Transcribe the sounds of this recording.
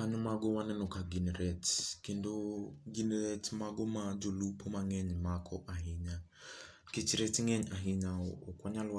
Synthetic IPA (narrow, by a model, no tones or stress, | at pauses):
kaɲɔmaɡɔwanɛnɔkaɡinɛɾɛtkendoɡinɾɛtmaɡomad͡ʒolupʰomaŋɛɲmakʰɔʔaɦɪɲa | kit͡ʃɾɛtŋɛɲaɦiɲaokwaɲalwa